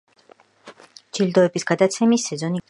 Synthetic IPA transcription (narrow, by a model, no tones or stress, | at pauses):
d͡ʒild̪ɔɛbisɡ̥ad̪at̪sʰɛmisːɛzɔni